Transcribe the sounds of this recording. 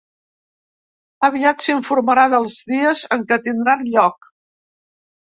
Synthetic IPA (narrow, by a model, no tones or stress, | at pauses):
əβ̞iat̪siɱfuɾməɾaðəlˠzðiəzəŋkət̪ind̪ɾanʎɔk̚